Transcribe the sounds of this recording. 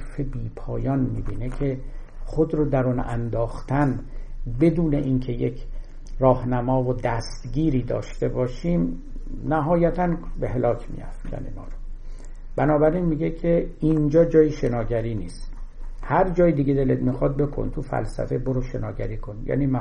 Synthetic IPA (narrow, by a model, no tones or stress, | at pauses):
febiːpʰɒːjɒːnmiːbiːnecʲʰe̞ | χod̪ɾod̪æɾonæ̰nd̪ɒːxt̪ʰænbe̞d̪uːne̞ʔincʰe̞jekʰ | rɒːhnæmɒːvod̪æst̪ɡiːɾiːd̪ɒ̰ːʃt̪e̞bɒːʃiːm | næɦɒːjæt̪ʰænbeɦe̞lɒːkʰmḭjæ̰fcʰæ̰lḭnɒ̰ːɾo | b̥ænɒːbæɾinmiɟekʰeind͡ʒɒːd͡ʒɒːjiʃe̞nɒːɟæɾiːniːst̪hæɾd͡ʒɒːjid̪iɡed̪e̞led̪mixɒd̪̚be̞kʰo̰nt̪ʰufæ̰lsæ̰fe̞boɾoʃe̞nɒːɟæ̰ɾiːkʰonjæ̰ːnimæ